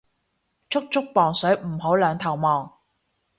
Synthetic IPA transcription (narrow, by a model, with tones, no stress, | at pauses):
t͡ʃʰʊ˥k̚t͡ʃʰʊ˥k̚pɔː˨˩ŋsɵ˨˥ɥm̩˨˩ɦo˨˥wlœː˨˧ŋt̪ʰɐ˨˩wmɔː˨˩ŋ